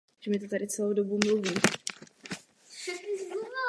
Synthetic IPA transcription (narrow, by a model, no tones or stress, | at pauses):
ʒɛmɪt̪̬ot̪adɪt͡sɛlowdobumluviː